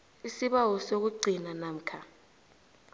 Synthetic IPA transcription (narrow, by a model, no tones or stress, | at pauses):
isiɓawɔsok̬uɡ͡ǀʱinanam̩kʰa